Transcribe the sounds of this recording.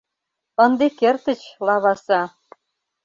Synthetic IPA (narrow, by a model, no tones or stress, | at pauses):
ɤ̆nd̪ekert̪ə̆t͡ɕlˠɑβɑsɑ